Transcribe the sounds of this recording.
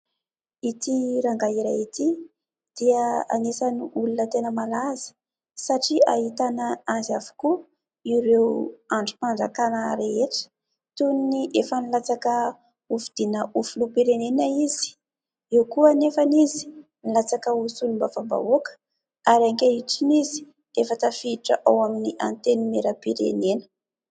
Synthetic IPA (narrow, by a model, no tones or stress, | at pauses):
it̪iɾaŋɡaiɾajit̪i | d̪̥iəa̰nesaniʔulunət̪enəmalazi̥ | saʈ͡ʂiaɦit̪anaazavu̥ku | iɾewaɳɖ͡ʐupaɳd͡zakanəɾeeʈ͡ʂə̥ | t̪unniʔefənilat͡sakə | ufid̪̥inəʔufulupiɾenenəiz̥i̥ | ewkuənefanizi̥nilat͡sakəusulumbavamba̰okə̥ | aɾaŋkeiʈ͡ʂinizi̥ | efət̪afiʈ͡ʂə̰ʔawaminiʔa̰nt̪enimeɾəpiɾḛnenə̥